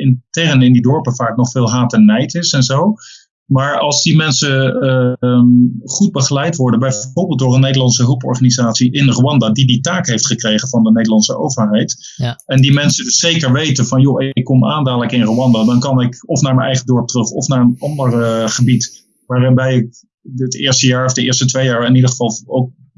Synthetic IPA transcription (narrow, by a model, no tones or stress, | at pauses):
ɪntɛrənɪndidɔɹpəvaːknɔχfɪːlˠɦaːtɛnɛjtɪsɛnzow | maːɹɑlˠzdimɛnsə | χud̚bəχəlɛjtʋɔɹdənbɛjʊɹbɪlˠdʊːrənːejdəlɑnsəɦɵlˠpɔ̰ɹχaːnizaːtsiʔɪnroɑndadiditaːkɦejftχəkrejχənvɑndənejdəlɑnsəo̰wvəɹɦɛjt | ɛndimɛnsədsːejkəɹʋejtəvɑnjoɪkːɔmaːndaːləkɪnroɑndadɑnkɑnɪkɔfnaːɹmənɛjχədɔɹp̚trɵχɔfnaːɹənɑndəɹχəbit | ʋaːrbɛjɪk̚ | ətɪ̰ːɹstəjaːɹɔvdəɪːɹstətʋejaːɹɪnidəχəv̥ɑlˠowk̚